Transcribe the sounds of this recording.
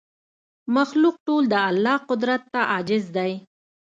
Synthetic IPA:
maxluq̚ʈold̪əalːɑqʊd̪ɾat̪ːaʔɑd͡ʒɪzd̪aj

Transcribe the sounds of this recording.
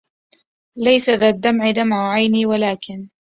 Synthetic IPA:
lajsaðaːd̪ːamʕɪd̪amʕʊʕajniːwalaːkɪn

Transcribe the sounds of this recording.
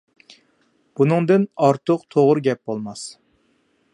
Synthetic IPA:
b̥unɨŋd̪ɨnɑɾt̪ʰʊqt̪ʰoʁɾɡʲɛp̚bolˠmɑs

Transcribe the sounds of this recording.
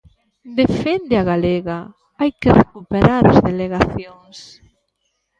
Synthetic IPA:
d̪efend̪eaɣaleɣa | ajkerekupeɾaɾazðeleɣaθjoŋs

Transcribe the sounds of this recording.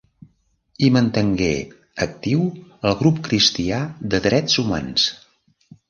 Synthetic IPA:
imənt̪əŋɡḛ | ək̚t̪iwəlˠɣɾupkɾist̪iaðəðɾɛzuma̰ns

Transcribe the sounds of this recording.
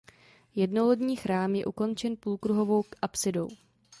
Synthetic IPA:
jɛdnolodɲiːxɾaːmjɛʔuko̞nt͡ʃɛnpuːlkɾuɦo̞vo̞wkʔapsɪdow

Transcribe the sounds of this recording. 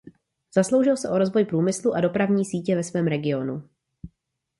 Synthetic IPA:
z̥aslo̞wʒɪlsɛʔo̞ɾo̞zvo̞jpɾuːmɪsluʔado̞pɾavɲiːsiːcɛvɛsvɛːmɾɛɡɪo̞nu

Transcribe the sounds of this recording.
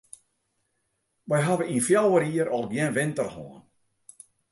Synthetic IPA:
ʋɛjɦaʋəinfjawəɾiəɾɔlˠɡjɛnʋɪntərhɔ̰ːən

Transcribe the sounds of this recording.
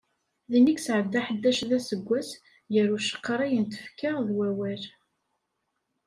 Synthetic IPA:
ðiniksʕəd̪ːaħəd̪ːæʃðæsəɡʷːæs | jəɾuʃə̥qːɾˤæjənt̪ə̥fkəʁðwæwæl

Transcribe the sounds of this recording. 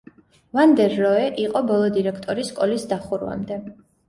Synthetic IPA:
vand̪ɛɾːɔɛʔiqʼɔbɔlˠɔd̪iɾɛkʰt̪ʼɔɾisːkʼɔlisd̪aχuɾwa̰md̪ɛ

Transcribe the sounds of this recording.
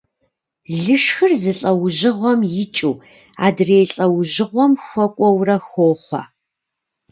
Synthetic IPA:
ɮɨʂxɨrzɨɬʼɐwʑɪʁʷɔmjɪt͡ʃʼuː | a̰ːdreːjɬʼɐwʒɪʁʷɔmxʷɔkʷʼɔwrɐxoːχʷɐ̰

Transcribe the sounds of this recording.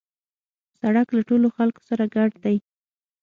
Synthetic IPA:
saɽaklaʈoloxalko̥saɾaɡaɖd̪aj

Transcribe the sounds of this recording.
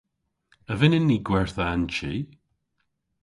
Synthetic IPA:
əvɪnɪnːiɡwɛɹθəant͡ʃi

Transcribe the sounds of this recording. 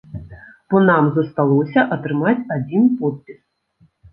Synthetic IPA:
pɔnamzɐst̪alˠɔsʲɐʔɐt̪ɾɨmat͡sʲad͡zʲinpɔt̪̚pʲis

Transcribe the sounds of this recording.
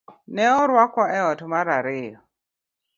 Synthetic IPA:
nɛɔɾwakwaʔɛɔtɔmaɾaɾeːjɔ

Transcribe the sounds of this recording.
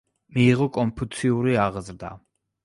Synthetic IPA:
miːʁɔkʼɔmpʰut̪sʰiuɾiaʁzɾd̪a̰

